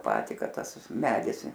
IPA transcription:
ˈjɛʊ ˈpɑːtʲiː ˈkɐt ˈtɐs ˈmʲæːdʲɪs

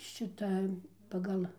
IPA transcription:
ˈʃʲɪtɐ pɐˈɡɐlˠ

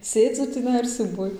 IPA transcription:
ˈsʲeːd͡zʊ tʲiːˈnɐɪ ɪr sʲuːˈbuɔj

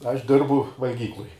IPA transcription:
ˈɐʃ ˈdʲɪrbʊ ʋɐlʲˈɡʲiːklˠʊj

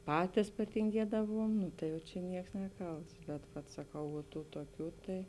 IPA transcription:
ˈpɑːtʲɪs pɐtʲɪŋʲˈɡʲiɛdɐʋuɔm ˈnʊ tɐɪ jɛʊ t͡ʃʲɛ ˈnʲiɛks ˈnʲæːˌkɐlˠts bʲɛt ʋɐt sɐˈkɐʊ ʋuɔ ˈtuː tuɔˈkʲuː tɐɪ

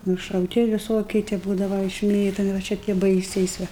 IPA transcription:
nʊʃɐʊˈtʲɪ ʋʲɪˈsoːkʲiɛ tʲiɛ ˈbuːdɐʋɐ ɪʃʲˈmʲeːtoːmʲɪ ʋɐ ˈt͡ʃʲɛ tʲiɛ ˈbɐɪsʲɛɪs ˈʋɐ

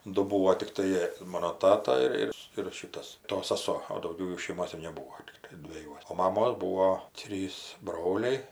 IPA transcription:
ˈdʊ ˈbuːoː tʲɪkˈtɐɪ ˈmoːnoː ˈtɑːtɐ ɪr ˈɪr ɪr ˈʃʲɪtɐs ˈtoː sɐˈsoː oː dɐʊˈɡʲɛʊ ˈjuː ʃʲɛɪˈmoːs ɪr nʲɛˈbuːoː tʲɪkˈtɐɪ dʲʋʲɛˈjuɔs oː mɐˈmoːs ˈbuːoː ˈtʲrʲiːs ˈbroːlʲɛɪ

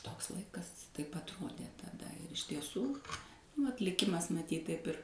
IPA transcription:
ˈtoːks ˈlˠɐɪkɐs ˈtɐɪp ɐtˈroːdʲeː tɐˈdɐ ɪr ɪʃ tʲiɛˈsuː ʋɐt lʲɪˈkʲɪmɐs mɐˈtʲiːt tɐɪp ˈɪr

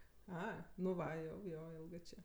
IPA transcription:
ˈɐ nʊ ˈʋɐ jɛʊ ˈjoː ˈɪlˠɡɜ ˈt͡ʃʲeː

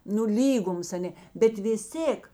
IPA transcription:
nʊ ˈlʲiːɡʊms ɐˈnʲeː bʲɛt ʋʲɪs ˈtʲeːk

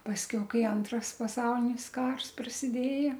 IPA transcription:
pɐsʲˈkʲɛʊ ˈkɐɪ ˈɐntrɐs pɐˈsɐʊlʲɪnʲɪs ˈkɐrs prɐsʲɪˈdʲeːjɛ

